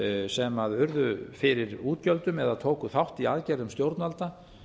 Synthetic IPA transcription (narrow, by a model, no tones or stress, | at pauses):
sɛmaðʏɾðʏfɪɾɪɾuːt̪cœlt̪ʏmɛðaðt̪ʰoːwkʏθawht̪iaːðcɛɾðʏmst̪jowɾt̪nalt̪a